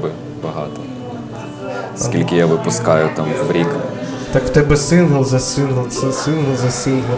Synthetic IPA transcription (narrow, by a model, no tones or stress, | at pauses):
bɪ | bɐɦɑ̰t̪ɔ | sʲilʲkʲɪjaʋɪpʊskɑjʊt̪ɑmʋbɾʲik | t̪ɑkt̪ɛbɛsɪnɦɐlˠzɐsɪnɦɐlˠsɛsɪnɦɐlˠzɐsʲinɦɐ